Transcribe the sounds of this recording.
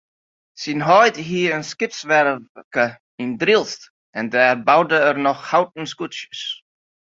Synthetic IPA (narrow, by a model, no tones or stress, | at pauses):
sinɦɔjdhiːənskɪpsvɛɾvkə | indɾɪlˠst | ɛndɛːɾbawdəəɾnɔxhawt̚n̩skusəs